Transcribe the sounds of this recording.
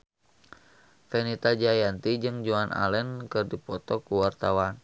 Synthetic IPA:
fɛnit̪ad͡ʒajant̪id͡ʒɨŋd͡ʒuanʔa̰lɛnkɨrdipɔt̪ɔkuwart̪awan

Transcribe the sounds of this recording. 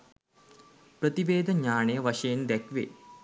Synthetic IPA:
pɾət̪iʋeːd̪əɲaːɳəjəʋaʂɐjend̪ɛkʋe

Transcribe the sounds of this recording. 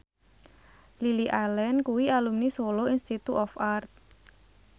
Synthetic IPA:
liliʔalɛnkuwialumnisoloinst̪it̪uɔfart̪̚

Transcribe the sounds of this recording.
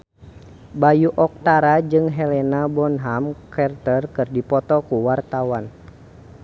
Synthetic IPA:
bajuʔɔk̚t̪aɾad͡ʒɨŋɦɛlɛnabɔnɦamkɛrt̪ərkɨrdipɔt̪ɔkuwart̪awan

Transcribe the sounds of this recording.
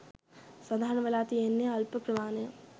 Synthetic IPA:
sɐd̪ʱaːɾɐɳɐʋɐlaːt̪ienːeɐlpɐpɾɐʋaːne

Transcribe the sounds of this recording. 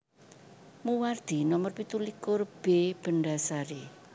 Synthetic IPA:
muward̪̥i̤nɔmɔrpit̪ulikʊrb̥eb̥ə̤ɳɖasaɾe

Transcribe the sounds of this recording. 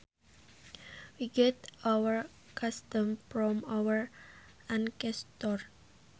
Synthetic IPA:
wiɡɛt̪awəɹ | kʰast̪ə̃mfɾɔmawəɹ | ãnkɛst̪ɔr

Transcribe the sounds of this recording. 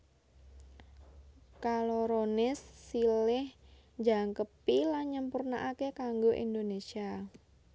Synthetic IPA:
kaloɾonɪsːilɪh | d͡ʒaŋkəpilaɲəmpurnaʔakekaŋɡoʔḭnd̪onesia

